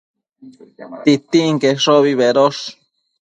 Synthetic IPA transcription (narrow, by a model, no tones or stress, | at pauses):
t̪it̪iŋkeʂoβiβeɾoʂ